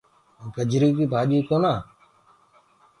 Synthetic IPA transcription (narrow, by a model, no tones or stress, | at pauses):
ɡəd͡ʒʱɾiːk̪̬iːbʱaːʄiːkoːnaː